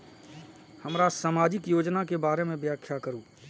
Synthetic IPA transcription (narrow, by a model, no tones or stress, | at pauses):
həmɾasaːmaːd͡ʒɪkjoːd͡ʒnakebaːɾemẽbjaːkʰjakəɾuː